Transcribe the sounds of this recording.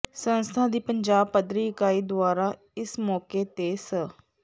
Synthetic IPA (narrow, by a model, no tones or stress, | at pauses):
sənst̪ʰaːd̪iːpəɲd͡ʒaːb̚pəd̪ɾiːɪkaːiːd̪ʊaːɾaː | ɪsmɔːkeːt̪eːsə